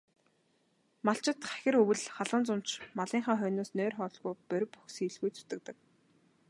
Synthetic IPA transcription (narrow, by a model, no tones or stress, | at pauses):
maɬt͡ɕɪ̆t̪χæ̥xʲɪ̆rɵwɘ̆ɮχaɮə̆nt͡sʊm̥t͡ɕmaɮiːŋχaːχœːnoːsnœːrχɔːɮɣujpœɾ̆ʲpu̥xsiːɮɣujt͡sɵ̥t̪ɘ̆k̚t̪ə̆k̚